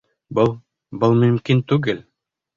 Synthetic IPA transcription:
bɤlˠ | bɤlˠmɵ̆mkint̪ʉɡɘl

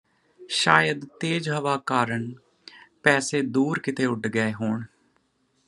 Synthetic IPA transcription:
ʃaːjəd̪t̪eːd͡ʒɦəʋaːkaːɾəɳ | pɛːseːd̪uːɾkɪt̪eːʊɖɡəeːɦoːɳ

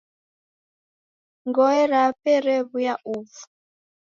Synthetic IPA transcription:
ŋɡɔɛɾapɛɾɛβujaʔuvu̥

